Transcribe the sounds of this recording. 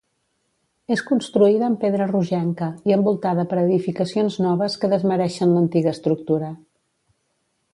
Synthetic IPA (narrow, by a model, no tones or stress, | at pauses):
eskunst̪ɾuiðəːmpeðɾəruʒɛŋkəiəmbulˠt̪aðəpəɾəðifikəsionznɔβəskəðəzməɾɛʃənlənt̪iɣəst̪ɾuk̚t̪uɾə